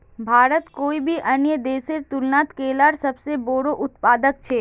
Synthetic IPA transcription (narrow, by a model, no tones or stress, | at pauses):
bʱaːɾət̪koːibʱiʔɐnjəd̪eːseɾt̪ʊlnaːt̪keːlaɾsɐbseboːɾoʔʊt̪paːd̪əkt͡ʃʰeː